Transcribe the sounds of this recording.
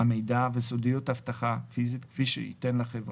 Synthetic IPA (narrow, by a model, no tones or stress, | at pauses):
ame̞jdavesodijut̪haftaχafizit̪kfiʃḛḭtenlaχevʁ